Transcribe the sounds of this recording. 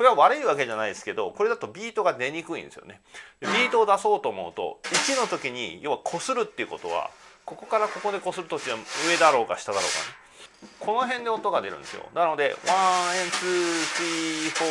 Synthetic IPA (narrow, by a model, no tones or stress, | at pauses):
ko̞ɾe̞βaβaɾɯ̟iβake̞ʑanaid̪esɨ̥ke̞d̪o̞ko̞ɾe̞d̪at̪o̞bʲiːt̪o̞ɡad̪e̞ɲ̟ikɯ̟ḭ̃nd̪e̞sɨjo̰ne̞d̪ebʲiːt̪o̞ːd̪aso̞ːt̪o̞ːmo̞̰ɯ̟t̪o̞̰it͡ɕino̞t̪o̞kʲiɲ̟ḭjo̞ːβakʰo̞sɨɾɯ̟t̪ːeiɯ̟ko̞t̪o̞̰βa̰ko̞ko̞kaɾako̞ko̞d̪e̞ko̞sɨɾɯ̟t̪ot͡ɕiβaɯ̟e̞d̪aɾo̞ːkaɕi̥t̪ad̪aɾo̞ːka̰ne | kʰo̞no̞ɦẽ̞nd̪e̞ot̪ːo̞ɡad̪e̞ɾɯ̟nd̪e̞sɨjo̰nano̞d̪e̞̰βãẽnsɨtiːɸo